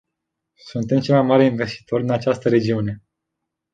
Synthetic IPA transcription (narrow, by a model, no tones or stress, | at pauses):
sunt̪e̞mt͡ʃelmajmaɾeinve̞st̪i̥t̪ʰo̞rʲd̪inat͡ʃast̪əɾe̞d͡ʒiune̞